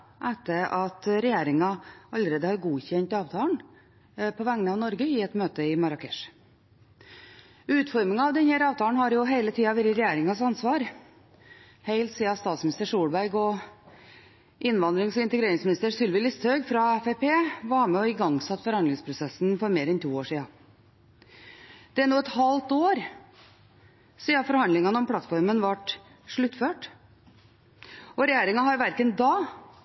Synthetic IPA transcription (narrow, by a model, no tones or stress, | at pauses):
ʔæt̪ːəʔɑt̪ɾɛjeːɾɪŋɑɑləɾeːd̪əhɑɾɡuːçɛɲt̪ɑːʋt̪ʰɑːɳ | pʰɔʋæŋnəɑʋnɔɾɡəɪɛt̪møːt̪əɪmɑɾɑkʰɛʂ | ʉːt̪fɔɾmɪŋɑɑʋd̪ɛnhæːɾɑːʋt̪ʰɑːɳhɑɾjʊɦæɪlət̪ʰiːɑʋɪɾɪɾɛjeːɾɪŋɑsɑnsʋɑːɾ | hæɪlt̪siːɑst̪ɑːt̪smɪnɪst̪əʂuːɽbæɾɡɔ | ʔɪnʋɑnd̪ɾɪŋsɔɪnt̪əɡɾeːɾɪŋsmɪnɪst̪əɾsʏlʋɪlɪst̪hœɡfɾɑɛfepʰeːʋɑɾmɛɔɪɡɑŋsɑt̪ːfɔɾhɑnd̪ɪŋspʰɾʊsɛsːn̩fɔɾmeːɾɛnt̪ʰuːoːʂiːɑ | d̪̥ɛæɳuːɛt̪hɑlt̪oːɾ | siːɑfɔɾhɑnd̪lɪŋɑnəɔmpʰlɑt̪ːfɔɾmənʋɑʈ | ʂɭʉt̪ːføːʈ | ɔɾɛjæːɾɪŋɑɦɑɾʋæɾkənd̪ɑː